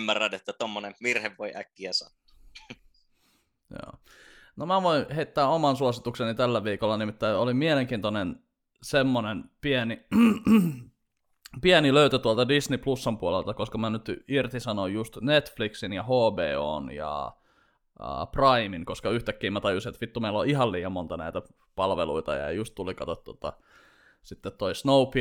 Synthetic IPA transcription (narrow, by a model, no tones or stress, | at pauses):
mːærːænet̪ːæt̪omːoneʋirheʋːoiʔækːiæsɑ̰t̪ːu̥ | jo̰ː | nomæʋoinheit̪ːæːomɑnsuosit̪uksenit̪ælːæʋiːkolːɑnimit̪ːæiolimieleŋk̟iːnt̪onen | semːonenpiæni | piæniløyt̪øt̪uolt̪ɑdisniplusːɑmpuolelt̪ɑkoskɑmænyt̪irt̪isɑnojjust̪net̪fliksinjɑhoːbeːo̰ːnjɑ̰ | ə̰prɑimiŋkoskɑyht̪ækːiːmæt̪ɑjusinet̪ʋit̪ːumeiloʔihɑlliːjɑmmont̪ɑnæ̰it̪æ | pɑlʋḛlṵit̪ɑ̰jɑ̰just̪t̪ulikɑt̪ot̪t̪ːot̪ɑ̰ | sit̪ːet̪toisnoupi